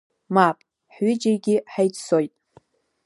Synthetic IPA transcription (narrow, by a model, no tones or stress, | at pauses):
mapʼ | ħɥʏd͡ʒaɡʲɪħajtsojtʼ